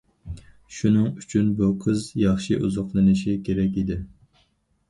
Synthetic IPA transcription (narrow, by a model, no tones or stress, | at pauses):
ʃunɨŋyt͡ʃʰynbuqʰɨzjɑχʃiʔṵzʊqlˠɨnɪʃikʲʰeɾɛk̬ʲid̪ɪ